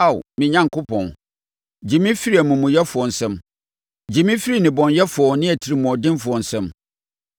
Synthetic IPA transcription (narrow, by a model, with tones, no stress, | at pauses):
a˦˨wmɪ̃˨ɲã˦ŋ˨kʊ˦pʰɔ̰̃˨n | d͡ʑi˨mĩ˦fi˦ɾi˦æ˨mũ˨mũ˨jɛ˦fʊ˨ɔ˨n̩˨sɛ̃˦m | d͡ʑi˨mĩ˦fi˦ɾi˦˨nɪ̃˨bɔ̃˨njɛ˦fʊ˨ɔ˨nɪ̃˦æ˨tʰi˨ɾi˨mũ˨ɔ˨dɪ̃˦nfʊ˨ɔ˨n̩˨sɛ̃˦m